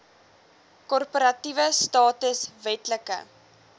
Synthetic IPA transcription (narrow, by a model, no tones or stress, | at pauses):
kɔrpəɾɐtivəstɑːtəsvɛtləkə̰